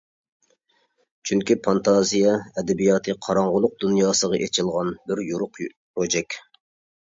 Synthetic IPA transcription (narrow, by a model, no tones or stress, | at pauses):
t͡ʃʰyŋkʲipʰɑnt̪ʰɑzijɑɛd̪ɛbijɑːt̪ʰɨqʰɑɾɑɴʁʊlˠʊq̚d̪unjɑːsəʁɑʔet͡ʃʰilˠʁɑnbɪɾjuɾʊqpɾod͡ʒɛkʲ